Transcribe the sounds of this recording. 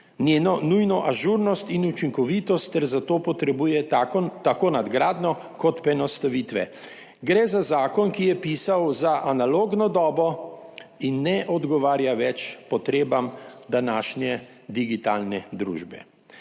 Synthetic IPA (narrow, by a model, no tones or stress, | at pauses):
nʲjeːnɔnujnɔʔaʒuɾnɔst̪inut͡ʃiŋkɔʋit̪ɔst̪ːɛɾzat̪oːpɔt̪ɾɛbuːjɛat̪akonad̪ɡɾaːd̪nɔ | kɔt̪pɾɛnɔst̪aʋit̪ʋɛ̰ | ɡɾɛːzazaːkɔnkijɛpiːsawzaʔanaloːɡnɔd̪ɔːbɔ | inːɛʔɔd̪ɡɔʋaːɾjaʋɛt͡ʃpɔt̪ɾeːbamd̪anaːʃnjɛ | d̪iɡit̪alnɛd̪ɾṵːʒbɛ̰